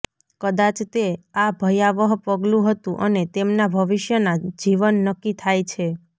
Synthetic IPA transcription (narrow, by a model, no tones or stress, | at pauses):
kəd̪at͡ʃt̪eabʱəjaʋəɦpəɡlũɦət̪ũʔə̰net̪emnabʱəʋiʃjənad͡ʒiʋənːəkːit̪ʰajt͡ʃʰe